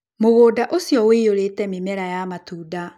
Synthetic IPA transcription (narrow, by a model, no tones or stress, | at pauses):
moɣoːdaʔosjɔweoɾetɛmemɛɾajamatuːda